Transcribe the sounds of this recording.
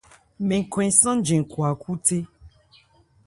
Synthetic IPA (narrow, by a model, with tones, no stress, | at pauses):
mẽ˨ŋ̩˨kɔ̃˨ɛ̃˨sɔ̃˦n̩˦d͡ʒẽ˨ŋ˨ku˨a˨ku˦te˦